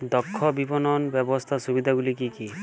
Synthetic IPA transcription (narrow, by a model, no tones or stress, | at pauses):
d̪ɔkʰːɔbipɔnɔnbɔbɔst̪ʰasubid̪ʱaɡulikiki